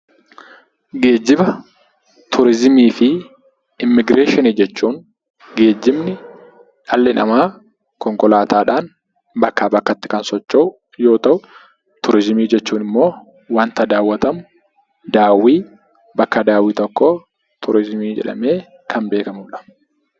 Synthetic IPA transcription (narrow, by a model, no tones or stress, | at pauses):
ɡe̞ːd͡ʒːɪbɐ | t̪ʰʊɾɪzɪmiːfɪ | ɪmːɪɡɾeːʃɪnid͡ʒɛt͡ʃːuːŋ | ɡe̞ːd͡ʒːɪbnɪ | ᶑɐlːɪnɐmaː | kɔŋkɔlaːt̪aːᶑaːn | bɐkːaːbɐkːɐt̪ːɪ̥kɐnsɔt͡ʃːoʔʊ | jo̞ːt̪ɐʔʊ | t̪ʊɾɪzɪmiːd͡ʒɛt͡ʃːuːnɪmːo̞ː | waːnt̪ɐd̪aːwːɐt̪ɐmʊ | d̪aːwiː | bɐkːɐd̪aːwiːt̪ɔkːo̞ː | t̪ʰʊɾɪzmiːd͡ʒɛ̰ᶑɐ̰me̞ː | kʰɐnbe̞ːkɐmʊᶑɐ̥